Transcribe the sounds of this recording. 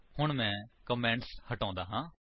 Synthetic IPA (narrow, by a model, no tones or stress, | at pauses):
hʊɳ̃mɛ̃ːkəmɛ̃ːɳʈshəʈãːnd̪aːɦãː